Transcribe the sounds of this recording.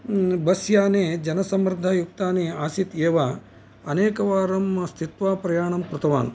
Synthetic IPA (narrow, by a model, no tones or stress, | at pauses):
bɐsjaːneːd͡ʒɐnɐsɐmɾɪd̪ʱɐjuk̚t̪aːneːaːsit̪eːʋa | ɐneːkɐʋaːɾɐmst̪ʰit̪ʋaːpɾɐjaːɳɐmpɾɐt̪ɐʋa̰ːn